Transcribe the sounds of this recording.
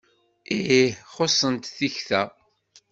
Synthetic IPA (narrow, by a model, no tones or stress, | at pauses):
iihχosˤːənt̪θiçθæ